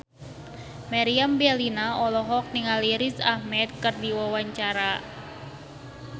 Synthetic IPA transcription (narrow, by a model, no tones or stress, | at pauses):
maɾiambalinaɔlɔɦɔk̚niŋaliɾisahmɛt̪̚kɨrdiwawaɲt͡ʃaɾa